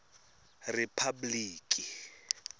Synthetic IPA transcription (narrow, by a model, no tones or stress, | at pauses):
rɛpʰabliːkʼi